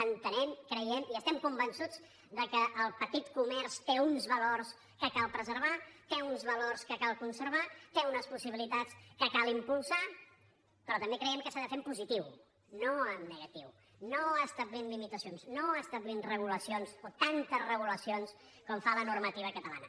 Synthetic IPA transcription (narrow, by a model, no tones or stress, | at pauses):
ənt̪ənɛmkɾəjɛmiəst̪ɛmkumbənsud͡z | d̪əkəʔːlˠpət̪it̪kumɛrst̪eunzβəlors | kəkalˠpɾəzəɾβ̞at̪eunzβəlorskəkalˠkunsəɾβat̪eunəspusiβilit̪at͡skəkalimpulˠsa | pɾɔt̪əmbekɾəjɛmkəsaðəfempuzit̪iw | noəmnəɣət̪iw | noəst̪əβlinlimit̪əsionsnoəst̪əβlinrəɣ̞uləsionsot̪ant̪əzrəɣ̞uləsions | kɔmfalənurmət̪iβ̞əkət̪əla̰nə